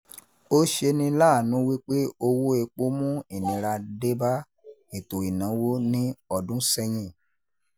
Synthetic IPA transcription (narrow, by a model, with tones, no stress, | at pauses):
o˦ʃe˧nĩ˧laː˦˨nũ˨˦wi˦k͡pe˦o˧wo˦e˧k͡po˦mũ˦i˨nĩ˨˦ɾa˧de˦ba˦ | e˨to˨i˨nã˨˦wo˦nĩ˦ɔ˨dũ˦sɛ˦j̃ĩ˦˨